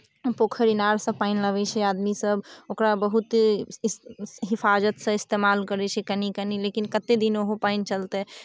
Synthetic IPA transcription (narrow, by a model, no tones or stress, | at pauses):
pokʰəɾinaɾsəbpainləbɛt͡ʃʰɛad̪misəbokɾabəɦut̪ | ɦifʰad͡ʒət̪sə̃ist̪emalkəɾɛt͡ʃʰɛkənikənilekinkət̪ed̪inoɦopaint͡ʃəlt̪ɛ